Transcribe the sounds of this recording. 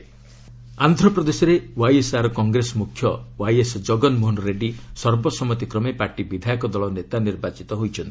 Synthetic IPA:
and̪ʱɾɔpɾɔd̪esɔɾewajesaɾɔkɔŋɡɾesɔmukʰːjɔwajesɔd͡ʒɔɡɔnmunɾeɖisɔɾbɔsɔmɔt̪ikɾɔmepaɾʈibid̪ʱajɔkɔd̪ɔɭɔnet̪aniɾbat͡ʃit̪ɔɦojt͡ʃʰɔnt̪i̥

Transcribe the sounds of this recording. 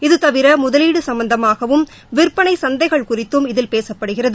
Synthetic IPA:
ɪðɯt̪ɐʋɪɾɐmʊðɐliːɽɯsɐmbɐnd̪ɐmaːɣɐʋɯm | ʋɪrpːɐɳɐɪsɐnd̪ɐɪɣɐɭkʊrɪt̪ːɯmɪðɪlpeːsɐpːɐɽɯɣɪrɐðɯ

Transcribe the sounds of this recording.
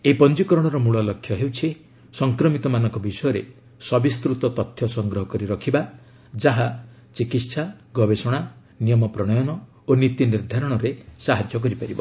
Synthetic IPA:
eipɔnd͡ʒikɔɾɔɽ̃ɔɾɔmuɭɔlɔkʰːjɔɦewt͡ʃʰi | sɔŋkɾɔmit̪ɔmanɔŋkɔbisɔjɔɾe | sɔbist̪ɾut̪ɔt̪ɔt̪ʰjɔsɔŋɡɾɔɦɔkɔɾiɾɔkʰiba | d͡ʒaɦa | t͡ʃikit̪saɡɔbesɔɽ̃a | nijɔmɔpɾɔɽ̃ɔjɔnɔ | onit̪iniɾd̪ʱaɾɔɽ̃ɔɾesaɦad͡ʒjɔk̬ɔɾipaɾibɔ

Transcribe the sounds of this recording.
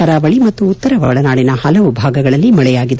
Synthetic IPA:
ɐɾɐʋɐɭimɐt̪ːuːt̪ːɐɾɐʋɐɭɐnaːɽinɐhɐlɐʋubʱaːɡɐɡɐɭɐlːimɐɭɛjaːɡid̪

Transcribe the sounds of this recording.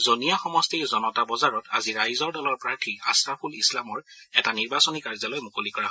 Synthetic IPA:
zonijaxɔmɔstiɹzɔnɔtabɔzaɹɔta̰ziɹajzɔɹdɔlɔɹpɹaɹtʰiasɹapʰulislamɔɹ | ɛtaniɹbasɔnikaɹzɔlojmukolikɔɹaɦɔ

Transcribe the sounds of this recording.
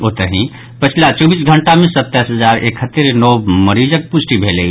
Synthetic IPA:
ot̪əɾɦĩ | pət͡ʃʰlat͡ʃɔbiːsɡʱəɳʈamẽsət̪ːasɦəzaːɾekʰɦət̪ːeɾnɔːməɾiːd͡ʒək̚pʊsʈibʱeːlei

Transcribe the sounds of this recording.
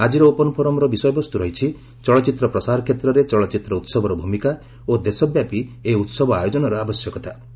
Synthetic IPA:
ad͡ʒiɾɔopɔnɔpʰɔɾɔmɔɾɔbisɔjɔbɔst̪uɾɔɦit͡ʃʰi | t͡ʃɔɭɔt͡ʃit̪ɾɔpɾɔsaɾɔkʰjet̪ɾɔɾet͡ʃɔɭɔt͡ʃit̪ɾɔut̪sɔbʱɔɾɔbʱumika | od̪esɔbjapieut̪sɔbɔajɔd͡ʒɔnɔɾɔabɔsjɔkɔt̪a

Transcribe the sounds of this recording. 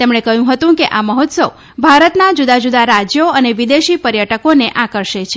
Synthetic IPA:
t̪emɳekəjũɦət̪ũkeʔaməɦɔt̪səw | bʱaɾət̪nad͡ʒud̪ad͡ʒud̪aɾad͡ʒjoəneʋid̪eʃipəɾjəʈəkoneʔakəɾʃet͡ʃʰe

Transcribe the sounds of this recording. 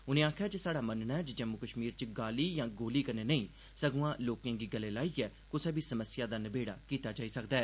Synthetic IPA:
ʊnẽːaːkʰjaːd͡ʒeːsaːɽaːmənnɛːt͡ʃd͡ʒəmukəʃmiːɾt͡ʃɡaːliːjãːɡoːliːkəɾneːnəĩː | səɡũãːloːkãːɡiːɡəleːlaːiːɛːkʊsɛːbʱiːsəməsɪjaːd̪aːnəbeːɽa̰ːkiːt̪aːd͡ʒaːiːsəkd̪aːɛː

